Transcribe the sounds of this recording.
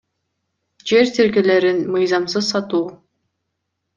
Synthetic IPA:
d͡ʒe̞ɾt̪ʰiɾkele̞ɾinmɯjzɑmsɯzsɑt̪uː

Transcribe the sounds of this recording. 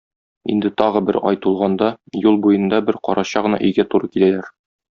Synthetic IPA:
ḭnd̪ɘt̪ɒʁɤbɘɾɒjt̪ulˠʁɑnd̪ɑjulˠbujɤ̆nd̪ɑbɘɾqɒ̰ɾʔɑɕɑʁɤ̆nɑ̰ʔɵ̆jɡæt̪uɾɤkilælæɾ

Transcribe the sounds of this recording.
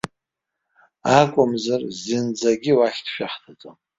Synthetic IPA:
akʷʼʊmzarzind͡zaɡʲiwaχʲtʰʃᶣaχtʰat͡sʼon

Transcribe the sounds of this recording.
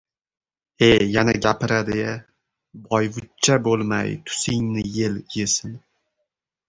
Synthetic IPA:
ejanaɡʲapɪɾad̪ɪa | bɒjvʊt͡ʃʰːabolˠma̰jt̪ʰʊ̥sɪŋnɪjeljesɪn

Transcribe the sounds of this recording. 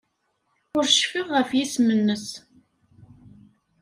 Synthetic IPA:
ʊɾʃfɪðʁəfjismənːəs

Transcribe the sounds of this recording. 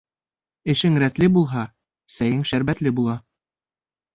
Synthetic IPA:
ɘ̆ʃɘŋɾæt̪lɘbulˠɦɑ | sæjɘŋʃæɾbæt̪lɘbulˠɑ

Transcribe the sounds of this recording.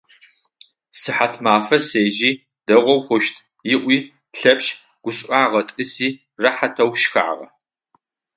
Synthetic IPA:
sɨħatʰmaːfɐseːʒiː | d̥ɐʁʷɔwχʷʊʃtʰ | jɪʔʷiː | ɬɐpʃ | ɡ̥ʷʊɕʷʼʔʷaːʁɐtʼɨsiː | rɐħatʰɐwʃxa̰ʕʁɐ̰

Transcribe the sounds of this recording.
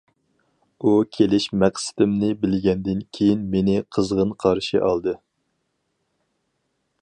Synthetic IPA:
ukʲʰelɪʃmɛqsɪ̥d̪ɪmnɪbɪlɡʲɛnd̪ɪnkʲʰejinmenɪqʰəzʁənqʰɑɾʃɨʔɑlˠd̪ɨ

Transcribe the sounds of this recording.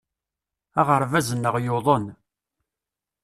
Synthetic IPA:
æʁəɾˤvæzənːəʁjoðˤən

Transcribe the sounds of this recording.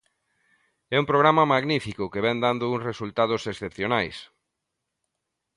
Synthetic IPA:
ɛumpɾoɣ̞ɾamɐmaɣnifikʊkeβɛnd̪and̪ʊuŋsresult̪að̞ʊsesθepθjonajs

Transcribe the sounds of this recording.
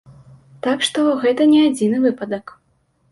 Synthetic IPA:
t̪akʂt̪ɔɣɛt̪ɐnʲɛad͡zʲinɨvɨpɐd̪ɐk

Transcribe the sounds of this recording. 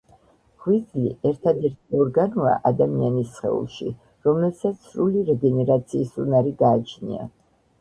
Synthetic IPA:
ʁwizlḭʔɛɾt̪ʰad̪ɛɾt̪ʰiɔɾɡanɔa̰ʔad̪amianisχɛ̰ṵlˠʃḭ | ɾɔmlɛbsat̪sʰsɾuliɾɛɡɛnɛɾat̪sʰiːsunaɾiɡaːt͡ʃʰnḭa̰

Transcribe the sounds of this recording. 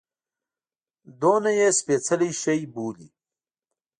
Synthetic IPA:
d̪oːnajespet͡səlijʃəjbuːlḭ

